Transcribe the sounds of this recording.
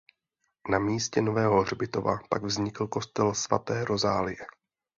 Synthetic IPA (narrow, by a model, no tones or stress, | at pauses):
namiːscɛno̞vɛːɦo̞ɦr̝bɪt̪o̞va̰paɡvzɲɪkl̩ko̞st̪ɛlsva̰t̪ɛːɾo̞zaːlɪjɛ